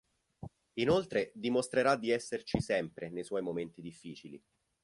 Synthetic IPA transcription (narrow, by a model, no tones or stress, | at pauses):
inolt̪ɾed̪imost̪ɾeɾad̪ːiɛsːert͡ʃisɛmpɾenejswɔjmoment̪id̪ifːiːt͡ʃilḭ